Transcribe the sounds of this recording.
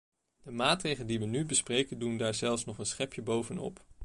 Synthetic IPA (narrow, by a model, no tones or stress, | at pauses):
d̥əmaːtrejχələdiʋənybəsprejkəndundaːɹzɛlˠfsnɔχənsχɛpjəbowvənɔ̰p